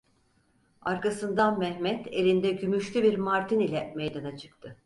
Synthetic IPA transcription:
aɾkasɯnd̪anmɛhmɛt̪e̞lʲind̪ɛɟymyʃlʲybiɾmaɾt̪ʰinilʲɛmɛjd̪anat͡ʃʰɯ̥k̚t̪ʰɯ

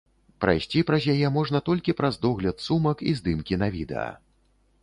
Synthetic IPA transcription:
pɾa̰jsʲt͡sʲipɾɐzʲjajɛmɔʐn̪ɐt̪ɔlʲkʲipɾɐzd̪ɔɣlʲɐt̪sumɐkḭzd̪ɨmkʲinavʲid̪ɛ̰ɐ̰

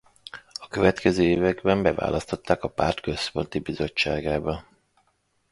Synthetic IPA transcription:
ɒkø̞vɛt̪kɛzøːeːvɛɡbɛmbɛva̰ːlʔɒst̪o̞t̪ːaːkɒpart̪kø̞spo̞nt̪ibizo̞t͡ʃt͡ʃːaːɡaːbɒ

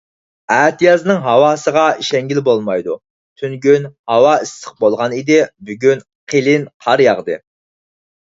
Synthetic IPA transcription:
æːt̪ʰijɑznɨŋɦɑwɑːsəʁɑʃɛŋɡʲilbolˠmɑjd̪u | t̪ʰynɡʲynhɑwɑisːɪ̥q̚bolˠʁɑnid̪ɪbyɡʲyn | qʰelɪnqʰɑɾjɑʁd̪ɨ

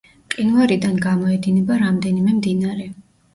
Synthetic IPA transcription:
qʼinvaɾid̪anɡamɔɛd̪inɛbaɾamd̪ɛnimɛmd̪inaɾɛ

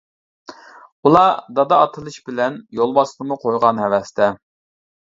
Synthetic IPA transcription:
ulˠɑd̪ɑd̪ɑːt̪ʰɨlˠɨʃbɪlɛnjolˠbɑsɨnɨmuqʰojʁɑnɦɛwɛst̪ʰɛ

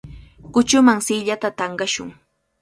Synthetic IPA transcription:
kʊt͡ʃʊmaŋsɪʎat̪at̪ɑɴɢɑʃʊ̰ŋ

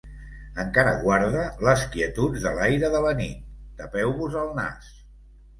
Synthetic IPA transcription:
əŋkaɾə̰ɣwaɾðələskiət̪ut̪ðəlajɾəðələnit̪̚ːəpɛwβuzəlˠna̰s

